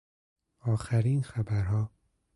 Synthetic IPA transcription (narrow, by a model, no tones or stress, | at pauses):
ɒːxæɾiːnxæbæɾhɒː